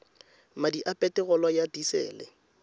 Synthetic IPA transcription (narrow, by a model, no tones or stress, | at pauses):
madiʔapʼɛtɪɣɔlɔjadisɛ̰ːlɛ̰